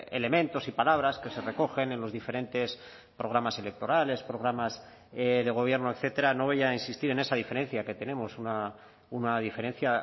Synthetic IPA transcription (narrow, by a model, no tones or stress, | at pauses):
e̞̰le̞mẽ̞nt̪o̞sipalaβ̞ɾaske̞se̞re̞ko̞xe̞ne̞nlo̞zðife̞ɾe̞nt̪e̞s | pɾo̞ɣ̞ɾamase̞le̞k̚t̪o̞ɾale̞spɾo̞ɣ̞ɾamas | ðe̞ɣ̞o̞β̞je̞ɾno̞ekθe̞t̪e̞ɾano̞β̞ajainsist̪iɾe̞ne̞saðife̞ɾẽ̞n̟θjake̞t̪e̞ne̞mo̞suna | unað̞ife̞ɾe̞n̟θja